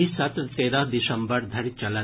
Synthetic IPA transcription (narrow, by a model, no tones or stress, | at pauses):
isɐt̪t̪eːɾəɦd̪isɐmbəɾd̪ʱɐɾit͡ʃɐla